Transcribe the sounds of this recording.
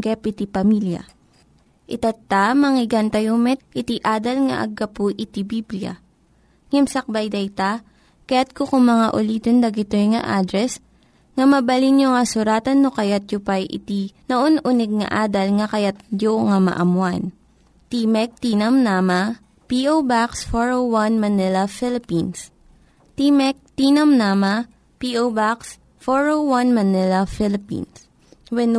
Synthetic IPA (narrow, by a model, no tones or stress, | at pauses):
ɡɛpɪt̪ipɐmiljɐ̰ | ʔɪt̪at̪ːamɐŋɪɡant̪ɐjomɛt̪̚ʔɪt̪iʔaːd̪ɐlŋɐ̰ʔɐ̰ɡɐpuʔɪt̪ibibljɐ̰ | ŋɛmsɐk̚bajd̪ɐjt̪a | kɐjat̪̚kokʊŋmɐŋaʔʊliːt̪ond̪ɐɡɪt̪ojŋɐ̰ʔaːd̪ɾɛs | ŋɐmɐbɐlinjoŋɐsʊɾaːt̪ɐnːokɐjat̪̚jʊpajʔɪ̰t̪inɐʔonʔunɛɡ̚ŋɐ̰ʔaːd̪ɐlŋɐkɐjat̪̚d͡ʒoŋɐmɐ̰ʔɐmwan | t̪imɛk̚t̪iːnɐmnaːmɐ | piʔowbaksfoɹowwanmɐnɪlɐfɪlɪpins | t̪imɛk̚t̪inɐmnaːmɐ | piʔowbaks | foɹowwɐnmɐnɪlɐfɪlɪpḭns | wɛn